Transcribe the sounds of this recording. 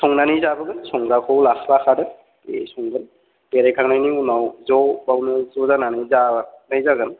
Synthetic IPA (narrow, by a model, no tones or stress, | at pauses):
sɔŋnanɯjzabɯɡɯnsɔŋɾakʰɔwlakʰlaxʰadɯ | ḛsɔŋɡɯn | beɾajkʰaŋnajniunawzɔbawnɯzɔzananɯjzanajzaɡɯn